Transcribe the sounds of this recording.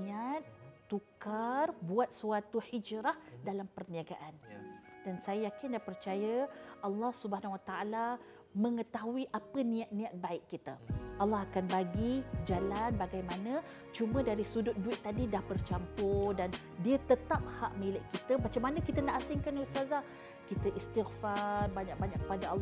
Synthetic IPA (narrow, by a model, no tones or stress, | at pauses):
iat̪̚ːukarbuat̪̚suat̪uhid͡ʒɾahdalampərniaɡaʔand̥ansajəjakɪndahpərt͡ʃajəɑlːɑhsubəɦanwat̪aʔala | məŋət̪aɦuiʔapənĩat̪̚nĩat̪̚baɪʔkːit̪əʔɑlːɑɦakanbaɡid͡ʒalanbaɡajmanə̃ | t͡ʃumə̃daɾisudʊt̪̚duɪt̪̚ːadidahbərt͡ʃampʊdan | diət̪ət̪ap̚haʔmilɪʔkit̪əmat͡ʃamːanə̃kit̪ənaʔasɪŋkansaza | kit̪əʔist̪ɪxfarbaɲak̚baɲak̚kəpadaalː